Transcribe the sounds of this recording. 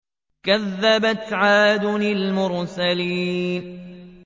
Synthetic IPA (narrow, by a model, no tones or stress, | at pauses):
kaðːabat̪ʕaːd̪ʊnɪlmʊɾsaliːn